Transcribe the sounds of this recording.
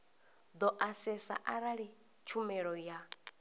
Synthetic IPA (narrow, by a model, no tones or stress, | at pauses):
d̪ɔʔasɛsa̰ʔaɾaɺi | t͡ʃʰumɛɺɔja